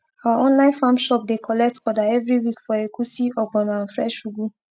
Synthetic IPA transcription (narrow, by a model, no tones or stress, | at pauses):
awaɔ̃nlãɪ̃nfãmʃɔp̚dekʰɔlɛk̚tɔdaɛvɹiwikfɔekusiɔɡɔ̃nãnfɹɛʃuɡu